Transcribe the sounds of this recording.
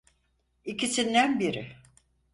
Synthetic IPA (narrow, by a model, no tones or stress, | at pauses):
icisind̪ænbiɾɪ